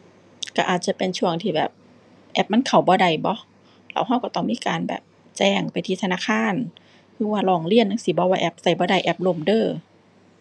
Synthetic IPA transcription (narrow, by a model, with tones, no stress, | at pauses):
ka˧˩ʔaː˨˩t̪̚t͡ɕa˧˨pe˨nt͡ɕʰu˧˩əŋt̪ʰiː˧˩bɛ̰ː˨˩p̚ | ʔɛ˧˥p̚ma˧˥˨nkʰa˨˩wbɔː˧˦da˨˧˩jbɔ˧˦ | la̰˧˩˦wɦa˧˨wkɔ˧˩t̪ɔ˧˩ŋmiː˧˥˨kaː˨nbɛ̰ː˨˩p̚ | t͡ɕɛː˧˩ŋpa˨jt̪ʰiː˧t̪ʰnaː˧˥˨kʰaː˧˥˨n | hɯː˧˥˨waː˧˨lɔː˧˩ŋli˧˨ənːa˧˥˨ŋsiː˧˦˩bɔ˧˦waː˧ʔɛ˧˩p̚sa˨˧˩jbɔː˧˦da˧˨˩jʔɛ˧˩p̚lo˧˩˨mdɤː˧˩